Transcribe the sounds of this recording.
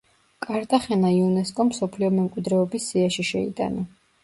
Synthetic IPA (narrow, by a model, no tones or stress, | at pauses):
kʼaɾd̪ʼaχɛnaiunɛskʼɔmsɔpʰliɔmɛmkʼwid̪ɾɛɔbisːiaʃiʃɛḭt̪ʼa̰na